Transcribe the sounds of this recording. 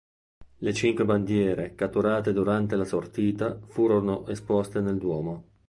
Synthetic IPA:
let͡ʃiŋkweband̪jɛːɾekat̪ːuɾaːt̪ed̪uɾant̪elasort̪iːt̪afuːɾonoʔespɔst̪eneld̪wɔːmo

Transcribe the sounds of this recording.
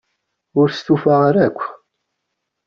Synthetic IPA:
ʊɾst̪ufaʁaɾækʷː

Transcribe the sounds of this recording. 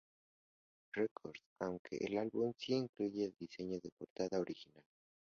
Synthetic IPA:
rekʰoɾsawŋkʰḛʔːlalβumsiiŋkluʝeːld̪ise̞ɲo̞ðe̞po̞ɾt̪aðao̞ɾixinal

